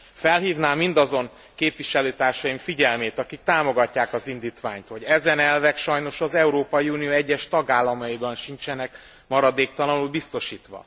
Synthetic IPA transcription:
fɛlɦiːvnaːmind̪ɒzo̞ŋ | keːpvʋiʃɛløːt̪aːrʃɒjimfiɟɛlmeːt̪ɒkik̚t̪aːmo̞ɡɒcːaːkɒzind̪iːt̪ʋa̰ːɲt̪ho̞ɟɛzɛnɛlvɛkʃɒjno̞ʃɒzɛuɾoːpɒjiuːnijoːɛɟːɛʃt̪ɒɡaːlːɒmɒjibɒnʃint͡ʃɛnɛk | mɒɾɒd̪eːk̚t̪ɒlɒnulbist̪o̞ʃiːt̪ʋɒ̰

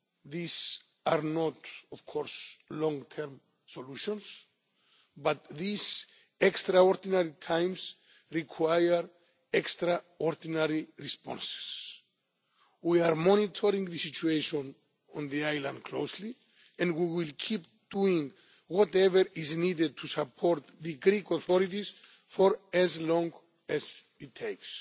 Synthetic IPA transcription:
ðis | aɾnɔtɔv̥kʰɔɾslɔ̃ŋt̪ʰɛɾm | soluʃɔ̃ns | bat̪̚ðis | ɛkstɾaɔɾd̪inaɾit̪ʰãjms | ɹikʰwajəɾ | ɛkst̪ɾa | ɔɾd̪inaɾiɹispɔ̰̃nse̥s | wiaɾmɔnit̪ʰɔɾĩŋðɨsit͡ʃueʃɔ̃n | ɔ̃nðiajlãnd̪̚kʰlowsli | ɛ̃nwiwilkʰip̚ | d̪̥uĩŋ | wɔtɛvəɾiznided̪̚t̪ʰusapʰɔɾt̪̚ðɨɡɾikɔθɔɾitis | fɔɾɛzlɔ̃ŋɡ | ɛz | it̪ʰːejks

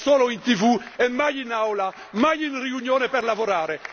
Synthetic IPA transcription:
sɔːloint̪ivuɛmːajinawla | majinriuɲjoːnepɛɾlavoɾaːɾe

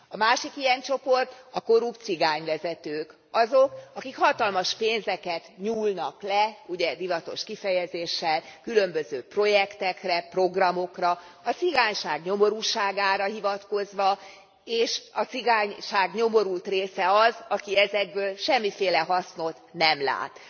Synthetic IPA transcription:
ɒmaːʃikijɛnt͡ʃo̞po̞rt̪ɒko̞ɾupt̪siɡaːɲvɛzɛt̪øːk | ɒzokɒkikhɒt̪ɒlmɒʃpeːnzɛkɛt̪ɲuːlnɒklɛuɟɛd̪ivɒt̪o̞̰ʃkifɛjɛzeːʃːɛlkylømbøzøːpro̞jɛkt̪ɛkrɛpro̞ɡrɒmo̞krɒɒt̪siɡaːɲʃaːɡɲo̞mo̞ɾuːʃaːɡaːɾɒɦivɒt̪ko̞zʋɒ | eːʃɒt̪siɡaːɲʃaːɡɲo̞mo̞ɾult̪reːsɛɒzɒkiɛzɛɡ̚bøːlʃɛmːifeːlɛɦɒsno̞t̪nɛmla̰ːt̪

